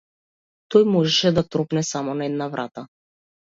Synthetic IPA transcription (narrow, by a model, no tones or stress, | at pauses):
t̪ɔjmɔʒɛʃɛd̪at̪ɾɔpnɛsamɔnaɛd̪navɾʔat̪a